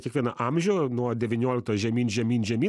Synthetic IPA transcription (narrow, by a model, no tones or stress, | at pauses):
kʲiɛkʋʲiɛnɐʔɑmʲʒʲɛʊnuɔd̪ʲɛʋʲɪnʲoːlʲɪk̚t̪oʒʲɛmʲiːnʒʲɛmʲiːnʲʒʲɛmʲiː